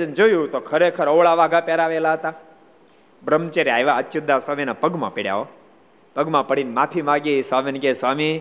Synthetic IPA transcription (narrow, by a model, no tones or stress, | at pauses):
ənd͡ʒojũt̪okʰəɾekʰəɾəʋɭaʋaɡapeɾaʋelaɦət̪a | bɾəmt͡ʃeɾeaiʋaətːʃud̪ʱasaːminapəɡmã̰peɽja̰o | pəɡmãpəɽinmãt̪ʰimaɡisʋaminkesʋami